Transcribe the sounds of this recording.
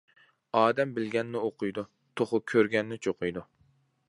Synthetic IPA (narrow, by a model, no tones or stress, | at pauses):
ɑːd̪ɛmbɪlɡʲɛnːɪoqʰʊjd̪u | t̪ʰoχʊkʲʰøɾɡʲɛnːɪt͡ʃʰoqʰʊjd̪u